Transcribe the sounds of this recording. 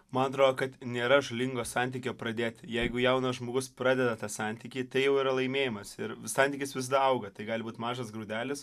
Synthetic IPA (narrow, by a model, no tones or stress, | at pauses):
mɐnɐt̪ɾoːd̪oːkɐt̪nʲeːɾɐʒʊlʲɪŋɡoːsɑnʲt̪ʲiːkʲoːpɾɐd̪ʲeːt̪ʲjɛɪɡʊjɛʊnɐsʒmoːɡʊspɾɑːd̪ʲɛd̪ɐt̪ɑːsɑnʲt̪ʲiːkʲiːt̪ɐɪjɛʊiːɾɐlˠɐɪmʲeːjɪmɐsɪɾsɑnʲt̪ʲiːkʲɪsʋʲɪs̬d̪ɐɐʊɡɐt̪ɐɪɡɑːlʲɪbuːt̪ʲmɑːʒɐsɡɾuːd̪ʲæːlʲɪs